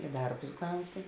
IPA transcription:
ɪ ˈdɐrbʊs ˈɡɐʊtʲeː

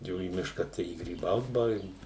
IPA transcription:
ˈjɛʊ iː ˈmʲɪʃkɐ tɐɪ ɪ ɡrʲiːˈbɐʊt bɐˈʋʲɛɪk

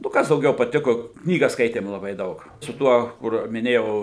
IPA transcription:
nʊ ˈkɐs dɐʊˈɡʲɛʊ pɐˈtʲɪkoː ˈknʲiːɡɐs ˈskɐɪtʲeːm lˠɐˈbɐɪ ˈdɐʊk sʊ ˈtuɔ kʊr mʲɪˈnʲeːjɛʊ

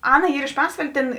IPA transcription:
ˈɑːnɐ ˈiːr ɪʃ ˈpɑːsʋɐlʲeː tʲeːn

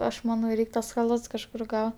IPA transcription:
ˈɐʃ mɐˈnɐʊ ˈrʲɛɪkʲ tuɔs xɐˈlˠɐts kɐʃˈkʊr ˈɡɐʊ

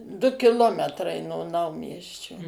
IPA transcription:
dʊ kʲɪˈlˠoːmʲɛtrɐɪ noː ˈnɐʊmʲiɛsʲt͡ʃʲoː

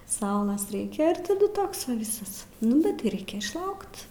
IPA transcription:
ˈsɐʊlˠɐs ˈrʲɛɪkʲɛ ɪr tɐˈdʊ ˈtoːks ʋɐ ˈʋʲɪsɐs ˈnʊ bʲɛt tɐɪ ˈrɐɪkʲɛ ɪʃˈlˠɐʊkt

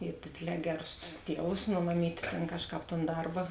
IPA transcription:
ɪ ˈdʲeːdʲeːˌlʲɛː ˈɡʲæːˌrʊs ˈtʲiɛʋʊs noː mɐˈmʲiːtʲ tʲɛn ˈkɑːʃˌkɑːp toːn ˈdɐrbɐ

